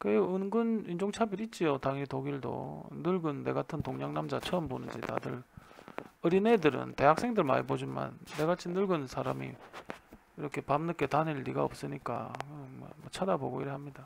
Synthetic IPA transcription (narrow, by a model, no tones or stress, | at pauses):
kɯeɯnɡɯnind͡ʑoŋt͡ɕʰabiɾit̚t͡ɕ͈iotaŋitoɡiɭdo̰nɯɭɡɯnːe̞̰ɡatʰɯntoŋɲaŋnamd͡ʑat͡ɕʰʌːmbonɯnd͡ʑḭta̰dɯ̰ɾ | ɯɾinedɯɾɯ̰nte̞ɦak̚s͈eŋdɯɭma̰ibod͡ʑima̰nːe̞ɡat͡ɕʰinɯɭɡɯnsʰaɾamḭ | iɾʌkʰe̞pamnɯk͈etaniɭːiɡaʌ̰p̚s͈ɯɲik͈a̰kmʌmat͡ɕʰadaboɡoiɾeɦamɲida